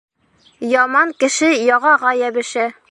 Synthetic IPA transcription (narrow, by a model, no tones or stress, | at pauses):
jɒmɑŋkɘ̆ʃɘjɒʁɑʁɑjæbɘ̆ʃæ